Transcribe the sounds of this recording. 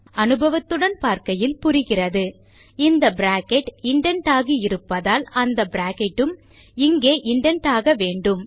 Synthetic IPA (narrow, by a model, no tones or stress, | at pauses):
ɐnɯbɐʋɐt̪ːɯɽɐnpaːɾkɐjɪlpʊɾɪɣɪrɐðɯ | ɪnd̪ɐbɾaːkɛʈɪɳɖɐɳʈaːɣiɪɾɯpːɐðaːlɐnd̪ɐbɪɾaːkɛʈːɯm | ɪŋɡeːʔɪɳɖɐɳʈaːɣɐʋeːɳɖɯm